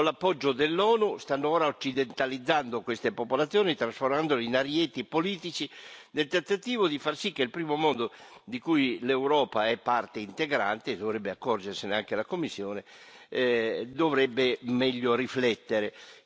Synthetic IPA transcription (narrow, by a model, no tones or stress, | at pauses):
kolːapːɔd͡ʒːod̪elːɔːnust̪anːoɔːɾaot͡ʃːid̪ent̪alid̪zːand̪okwest̪epopolat̪sːjɔːnit̪ɾasformand̪olinaɾjet̪ipoliːt̪it͡ʃid̪elt̪ent̪at̪iːvod̪ifarsikːeilpɾiːmomɔnd̪od̪ikujlewɾɔːpaɛpːart̪eint̪eɡɾa̰nt̪eːd̪ovɾɛbːeakːɔrd͡ʒeɾseneaŋk̟elakomːisːjɔːne | d̪ovɾɛbːemɛʎːoriflɛt̪ːeɾe